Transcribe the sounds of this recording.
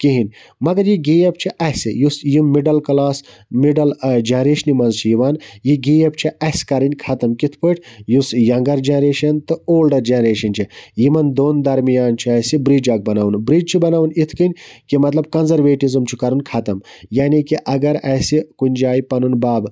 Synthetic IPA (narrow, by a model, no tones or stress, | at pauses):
kiɦinʲ | mɐɡɐɾjiɡiːjɐp̚t͡ʃʰiʔɐsijusjimːiɖɐlkɐlaːs | miɖɐld͡ʒɐnɾeːʃnimɐnzt͡ʃʰijiʋaːnjiɡijɐpt͡ʃʰiɐskɐɾɨnʲkʰɐt̪ɐmkit̪ʰpɨʈʰjusjɐŋɡɐɾd͡ʒenɾeːʃɐnt̪ɨoːlɖɐɾd͡ʒenɾeːʃɐnt͡ʃʰijimɐnd̪oːnd̪ɐɾmijaːnt͡ʃʰiɐsibɾiːd͡ʒɐːk̚bɐnaːunbɾiːd͡ʒt͡ʃʰubɐnaːʋunit̪ʰkɨnʲkimɐt̪lɐb̚kɐnzɐɾʋeːʈizɐmt͡ʃʰukɐɾɨnkʰɐt̪ɐm | jaːnikiʔɐɡɐɾɐːsikunʲd͡ʒaːjipɐnunbaːb